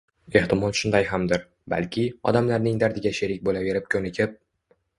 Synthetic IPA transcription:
e̞ht̪ɪmɒlˠʃʊnd̪ajɦamd̪ɪɾ | ba̰lkʲʰɪɒ̰d̪amlaɾnɪŋd̪aɾd̪ɪɡʲaʃe̞ɾɪk̚ʲbolave̞ɾɪp̚kʲʰɵnɪkʲʰɪp̚

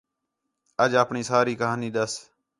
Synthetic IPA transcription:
əd͡ʒaːpɳiːsaːɾiːkəɦaːniːɗ̪əs

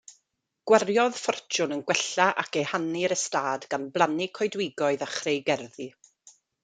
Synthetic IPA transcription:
ɡ̥wɛrjɔð̥fɔrt͡ʃʊnənɡwɛɬaʔa̰kʰejhaniɾəstaːdɡ̥anblˠanikʰɔjdwɪɡɔɨðaχrejɡɛrði

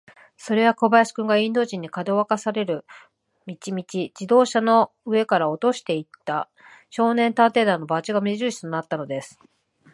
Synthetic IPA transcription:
so̞ɾe̞βako̞bajasi̥kɯ̟̃ŋɡaĩnd̪o̞ːʑĩɲ̟ːikad̪o̞βakasaɾe̞ɾɯ̟ | mʲit͡ɕimʲit͡ɕid͡ʑid̪o̞ːɕano̞ | ɯ̟e̞kaɾao̞t̪o̞ɕi̥t̪e̞it̪ːa | ɕo̞ːnẽ̞nt̪ãnt̪e̞ːd̪ãno̞bat͡ɕiɡamʲiʑɨːɕi̥t̪o̞nat̪ːano̞d̪e̞sɨ̥

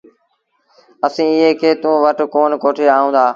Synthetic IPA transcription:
əsĩːɪɦeːkʰeːt̪ũːʋəʈkoːnkoːʈʰeːaːɦũːnd̪aː

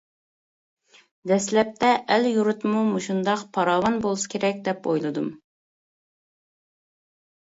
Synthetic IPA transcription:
d̪ɛslɛp̚t̪ʰɛʔɛljuɾut̪mumuʃund̪ɑqpʰɑɾɑːwɑnbolˠusɨ̥kʲʰeɾɛk̚ʲd̪ɛpo̰jlˠɨd̪um

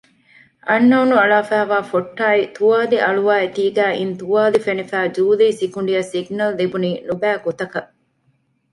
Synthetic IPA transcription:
ʔɐnːɐunuɐɭaːfæːʋaːfoʈːaːit̪uʋaːdiʔɐɭuʋaːet̪iːɡæːʔint̪uʋaːlifenifæːd͡ʒuːliːsikuɳ̆ɖijɐsiɡnɐllibuniːnubæːɡot̪ɐkɐ

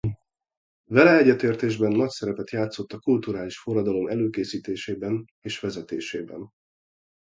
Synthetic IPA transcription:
vɛlɛɛɟːɛt̪eːrt̪eːʒbɛnːɒcsɛɾɛpɛt̪jaːt̪so̞t̪ːɒkult̪uɾaːliʃforːɒd̪ɒlo̞mɛløːkeːsiːt̪eːʃeːbɛn | eːʃʋɛzɛt̪ḛːʃeːbɛ̰n

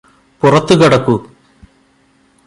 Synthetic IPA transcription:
purɐt̪ːukɐɽɐkːu

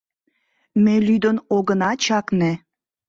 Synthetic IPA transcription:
melyd̪ənoɣənɑt͡ɕɑkne

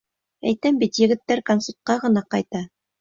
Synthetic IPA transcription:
æ̰jt̪æmbit̪jɘ̆ɡɘ̆t̪ːæɾkonsut̪̚qɑʁɤ̆nɑqɑjt̪ɑ

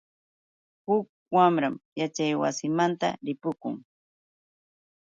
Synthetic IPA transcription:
hʊk̚wamɾamjat͡ʃajwa̰sɪmant̪a̰ɾɪpʊkʊŋ

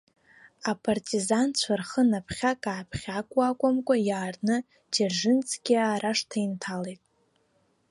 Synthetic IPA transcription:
apʼartʼizant͡ɕʷʰarχənapʰχʲakʼaːpʰχʲakʷʼwakʷʼamkʷʼajaːrnɨ | d͡ʒerʐɨnt͡sʼʰɡʲiaːɾaʂtʰajntʰalejtʼ

